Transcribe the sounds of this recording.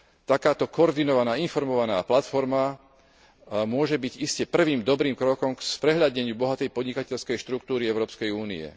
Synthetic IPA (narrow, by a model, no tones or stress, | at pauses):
t̪akaːt̪ɔkɔɔɾd̪inɔʋanaːinfɔɾmɔʋanaːplat̪fɔɾma | mʊɔʒɛbiɟiscɛpr̩ʋiːmd̪ɔbɾiːmkɾɔkɔmkspɾɛɦʎaɟɲɛɲɪubɔɦat̪ɛjpɔd̪ɲikacɛʎskɛjʃt̪ɾuk̚t̪uːɾiɛʊɾɔːpskɛjuːnḭɛ̰